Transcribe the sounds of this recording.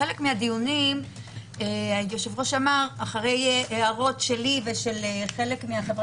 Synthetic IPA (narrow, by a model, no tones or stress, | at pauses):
elekmehadijunim | ejoʃevʁo̞ʃamaʁaχaʁe̞jʔeaʁo̞tʃe̞liveʃe̞leχele̞kmeaχevʁ